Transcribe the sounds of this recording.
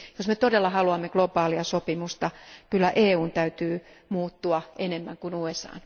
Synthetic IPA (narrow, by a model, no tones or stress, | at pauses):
josmet̪odelːɑhɑluɑmːeɡ̥lobɑːliɑsopimust̪ɑkylːæʔeːuːnt̪æyt̪yː | muːt̪ːuɑʔenemːæŋkunuːesɑ̰ːn